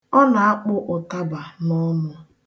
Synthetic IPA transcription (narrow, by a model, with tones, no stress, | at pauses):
ɔ˦na˨a˦k͡pʊ˦ʔʊ˨ta˦ba˨nɔ˦mʊ˦